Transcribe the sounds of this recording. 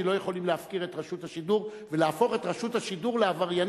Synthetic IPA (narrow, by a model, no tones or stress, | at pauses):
elo̞je̞χo̞limleafkiʁe̞tʁaʃuthaʃiduʁ | velaːfo̞χe̞tʁaʃuthaʃiduʁleavaʁjan